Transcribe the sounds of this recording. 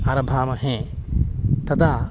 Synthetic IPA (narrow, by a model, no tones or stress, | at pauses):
aɾɐbʱaːmɐɦẽː | t̪ɐd̪aː